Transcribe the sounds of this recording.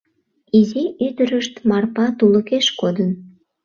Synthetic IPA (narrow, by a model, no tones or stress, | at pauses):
iziʔyd̪əɾəʃt̪mɑrpɑt̪uləkeʃkod̪ən